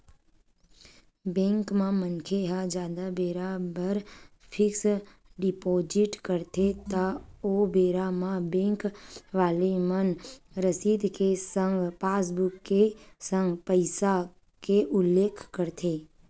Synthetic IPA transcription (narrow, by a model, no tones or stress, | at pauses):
bẽːŋkmãmənkʰeɦad͡ʒjaːd̪abeːɾabəɾpʰɪks | ɖɪpoːd͡ʒɪʈkəɾt̪ʰet̪aoːbeːɾamãbẽːŋkʋaːlemənɾəsiːd̪kesə̃ŋɡpaːsbʊkːesə̃ŋɡpəɪsa | keʔʊlːeːkʰkəɾt̪ʰeː